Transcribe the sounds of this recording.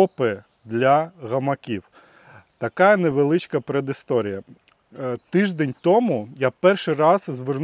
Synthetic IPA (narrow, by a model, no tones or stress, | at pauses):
ɔpɪ | d̪lʲɐɣɐmɐkʲiw | t̪ɐkɑjɐneʋelˠɪt͡ʃkɐpɾed̪ɪst̪ɔɾʲijɐ | t̪ɪʒd̪enʲt̪ɔmʊjapɛrʃɪɾɑzzʋern